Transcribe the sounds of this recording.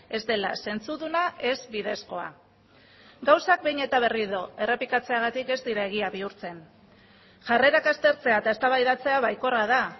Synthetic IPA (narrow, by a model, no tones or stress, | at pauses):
e̞zd̪e̞la̰se̞nt͡suðunaʔe̞zbið̞e̞sko̞a̰ | ɡawsak̚bejɲe̞t̪aβ̞e̞riðoe̞re̞pikat͡se̞aɣ̞at̪ike̞zd̪iɾae̞ɣ̞iaβiuɾt͡se̞n | ʝare̞ɾakast̪e̞ɾt͡se̞at̪ae̞st̪aβajðat͡se̞aβajko̞raða